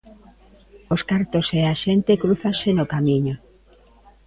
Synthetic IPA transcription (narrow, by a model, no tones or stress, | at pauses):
oskaɾt̪oseaʃent̪ekɾuθansenokamĩɲo